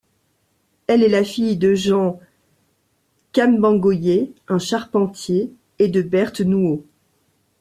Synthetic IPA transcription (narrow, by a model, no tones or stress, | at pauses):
ɛlɛlafijd̪əʒɑ̃ | kambɑ̃ɡojeɛ̃ʃaʁpɑ̃t̪jeː | d̪əbɛʁt̪nuo